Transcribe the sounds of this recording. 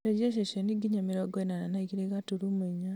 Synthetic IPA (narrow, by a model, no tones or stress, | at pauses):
ed͡ʒes̬eʃoniɡiɲamiɾoɡoinananaikiɾekatuɾumuiɲa